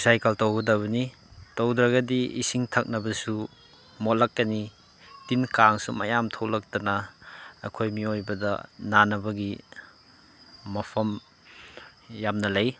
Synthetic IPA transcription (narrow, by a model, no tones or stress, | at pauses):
sajkɐltowɡɐdɐbɐni | towdɾɐɡɐdiḭsiŋtʰak̚nɐbɐsu | motlɐkːɐni | tinkaŋsumajamtʰowlɐk̚tɐnɐɐ̰kʰojmiojbɐdɐ̰nanɐbɐɡi | ɐpʰɐm | jamnɐlɐj